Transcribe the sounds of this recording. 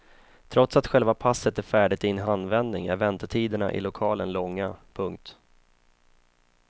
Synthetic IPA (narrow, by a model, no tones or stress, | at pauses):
t̪ʰɾɔt̪sat̪ɧɛlvapʰasːət̪æɾfæːɖɪt̪ɪɪnɦanvɛnd̪nɪŋæ̰ɾvɛnt̪əʈʰiːd̪əɳa̰ʔɪ̰lʊkʰɑːlənlɔŋːapʰɵŋk̚t̪